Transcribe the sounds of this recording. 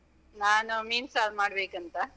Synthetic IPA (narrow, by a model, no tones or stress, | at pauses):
naːnumiːnsaːlmaːɽbeːkɐnt̪ɐ